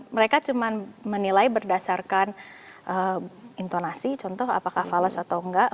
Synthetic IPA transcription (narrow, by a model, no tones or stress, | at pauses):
məɾekat͡ʃumanmənilaibərdasarkan | ʔəint̪onasit͡ʃɔnt̪ɔha̰pakahfaləsat̪awŋɡaʔ